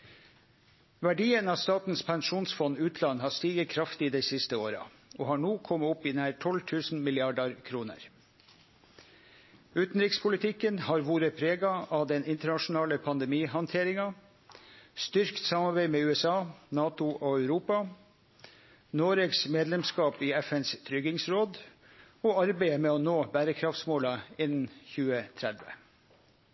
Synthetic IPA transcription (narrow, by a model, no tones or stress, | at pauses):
ʋæɖiːənɑst̪ɑːt̪n̩spʰɛŋʃuːnsfɔnːʉːt̪ʰlɑnːhɑːst̪iːɡəkʰɾɑft̪iːd̪ɛɪsɪst̪əoːɾɑ̰ | ʔoːhɑːɳuːkʰɔmːəʊpiːnæːɾʈʰɔlt̪ʰʉːsn̩mɪlɪɑɖɑɾkʰɾuːnə̰ɾ | ʉːt̪n̩ɾɪkspʰʊlɪt̪ʰɪkənhɑːɾʋoːɾəpʰɾeːɡɑʔɑʋd̪ɛnɪnt̪əɳɑʂʊnɑːləpʰɑnd̪ɛmiːhɔnt̪ʰeːɾɪŋɑ | st̪ʏɾkt̪sɑmɑɾbæɪmeːʉːɛsɑːnɑːt̪ʊʔoæʉɾuːpɑ | noːɾeɡsmeːd̪lɛmskɑːpiːɛfɛnst̪ʰɾʏɡɪŋsɾoːd̪ | oːɑɾbeɪəmeːɔnoːbæːɾəkʰɾɑft̪smoːlɑɪnn̩çʉːət̪ʰɾɛd̪ʋə̰